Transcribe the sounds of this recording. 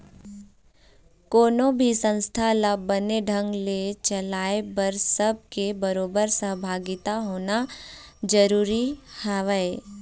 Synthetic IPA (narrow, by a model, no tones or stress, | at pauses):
koːnõbʱisə̃nst̪ʰaləbəneɖʱə̃ŋɡlet͡ʃəlaːebəɾsəb̚kebəɾoːbəɾsəɦbʱaːɡɪt̪aɦoːnad͡ʒəɾuːɾihɛʋəe